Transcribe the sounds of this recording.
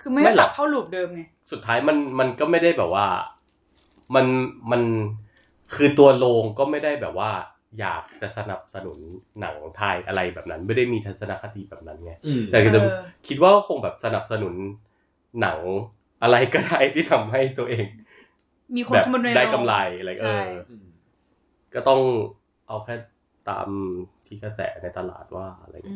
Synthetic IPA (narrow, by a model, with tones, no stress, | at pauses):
kʰɯː˧ma˥˩ma˥˩jla˨˩a˥˩wluː˨˩p̚dɤː˧mna˦˩ | su˨˩t̪ʰːaː˦˥jma˧nma˧nkɔː˥˩ma˥˩jda˥˩jbɛː˨˩p̚waː˥˩ | ma˧nma˧n | kʰɯː˧t̪u˧ɐloː˧ŋkɔː˥˩ma˥˩jda˥˩jbɛː˨˩p̚waː˥˩ | ja̰ː˨˩k̚t͡ɕa˨˩sa˧na̰˨˩p̚sa˧nṵ˩˦nːa̰˩˦ŋt̪ʰaː˧jʔa˧ɾa˧jbɛ̰ː˨˩p̚na˦˥nma˥˩jda˥˩jmiː˧t̪ʰa˧sa˧na˦˧˥kʰa˧t̪iː˧bɛː˨˩p̚na˦˥nŋa˦˥˩jt̪ɛː˨˩ka˨˩kʰi˦˥t̪̚waː˥˩kɔ˥˩kʰo˧ŋbɛː˨˩p̚sa˧na˨˩p̚sa˧nu˩˦nː | a˩˦ŋ | ʔa˧ɾa˧jkɔː˥˩daː˥˩jt̪ʰiː˥˩t̪ʰa˧mɦa˥˩jt̪u˧ɐʔeː˧ŋ | miː˧kʰbɛː˨˩˧da˥˩ka˧mla˧jla˧˩˦ʔɤː˧ | kɔː˥˩t̪ɔ˥˩ŋ | ʔa˧wkʰɛː˥˩ | t̪a̰ː˧mt̪ʰiː˥˩ka˧sɛ̰ː˩˦na˧jt̪a˧la̰ː˨˩t̪̚waː˥˩a̰˧˩la̰˧jŋi˦˥